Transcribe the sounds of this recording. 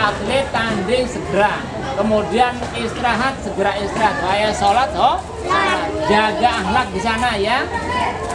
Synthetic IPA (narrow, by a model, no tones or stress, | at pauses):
aplet̪andɪŋsəɡəɾa | kəmudianɪst̪ɾaɦat̪̚səɡəɾaist̪ɾaɦat̪̚baajasolat̪̚ɦɔ | d͡ʒaɡaːɦlak̚disanaja